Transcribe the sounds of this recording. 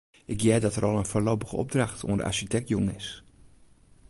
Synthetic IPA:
ʔɪkjɛːdɔtərɔlˠənfərloːpəɣəɔ̰b̚draxtʰṵəndə̰ʔa̰ɹʃitɛk̚tjoŋəɪs

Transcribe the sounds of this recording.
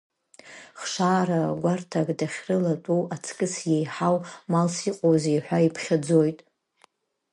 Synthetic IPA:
χʂaːraɡʷartʰakʼdaχʲrɨlatʼuwat͡sʰkʼɨsjejħawmalsiqʼowzejħʷᶣaipʰχʲad͡zojtʼ

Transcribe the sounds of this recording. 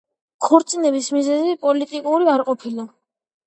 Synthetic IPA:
kʰɔɾt̪sʼinɛbismizɛzipʼɔlit̪ʼikʼuɾiaɾqʼɔpʰila

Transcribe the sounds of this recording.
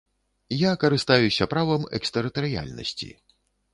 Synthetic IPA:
jakɐɾɨst̪ajusʲɐpɾavɐmɛ̰kst̪ɛɾɨt̪ɐɾɨja̰lʲnɐ̰sʲt͡sʲḭ

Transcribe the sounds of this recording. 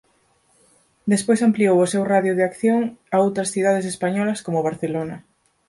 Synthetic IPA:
d̪espojsampliowʊsewraðjʊðɪakθjoŋaowt̪ɾɐsθiðaðesespaɲɔlɐskomʊβaɾθelonɐ

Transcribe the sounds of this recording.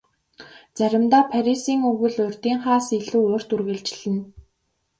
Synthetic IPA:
t͡sæɾʲɪ̆mt̪aːpʰæɾʲisiːŋɵɣɘ̆ɮʊrʲt̪iːŋχaːsiɮuːoːr̥t̪urɣɘ̆ɮt͡ɕ̆ɮɘ̆n

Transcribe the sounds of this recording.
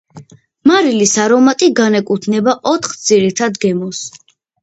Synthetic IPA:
maɾilisaɾɔmat̪ʼiɡanɛkʼut̪ʰnɛbaʔɔt̪ʰχd̪z̥iɾit̪ʰad̪ɡɛmɔs

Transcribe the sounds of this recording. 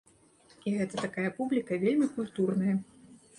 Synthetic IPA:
iɣɛt̪ɐt̪akajɐpublʲikɐvʲelʲmʲikulʲt̪urnɐjɐ

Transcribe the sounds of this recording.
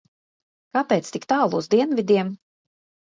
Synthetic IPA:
kapɛːt̪st̪ikt̪aːlˠuːzd̪iɛnvʲid̪ʲiɛm

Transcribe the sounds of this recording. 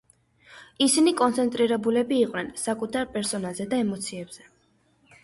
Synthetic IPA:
isinikʼɔnt̪sʰɛnt̪ʼɾiɾɛbulɛbiːqʼwnɛnsakʼut̪ʰaɾpʼɛɾsɔnalˠzɛd̪aɛmɔt̪sʰiɛbz̥ɛ

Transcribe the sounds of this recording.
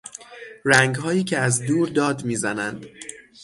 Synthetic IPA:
ɾæŋɡhɒːjiːcʰeæzd̪uːɾd̪ɒːd̪miːzænænd̪̥

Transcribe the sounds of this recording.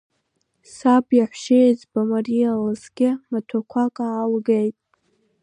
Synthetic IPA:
sabjaħʷʃejzbamarijalɨzɡʲɪmatʷʰakʷʰakʼaːlɡejtʼ

